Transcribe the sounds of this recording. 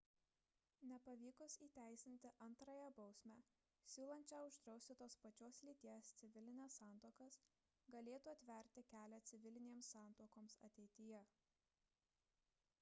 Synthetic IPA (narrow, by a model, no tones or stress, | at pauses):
nʲɛpɐʋʲiːkʊsiːt̪ʲæˑɪsʲɪnʲt̪ʲɪʔɐnt̪ɾɐjɛbɒʊsʲmʲæː | sʲuːlˠɐnʲt͡ʃʲɛʊʒd̪ɾɒʊsʲt̪ʲɪt̪oːspɐt͡ʃʲoːslʲiːt̪ʲiɛst̪sʲɪʋʲɪlʲɪnʲɛsːɑˑnt̪oːkɐs | ɡɐlʲeːt̪uːɐt̪ʲʋʲɛɾʲt̪ʲɪkʲæːlʲɛt̪sʲɪʋʲɪlʲɪnʲeːmsːɑˑnˑt̪oːkoːmsɐ̰t̪ʲɛɪt̪ʲɪjɛ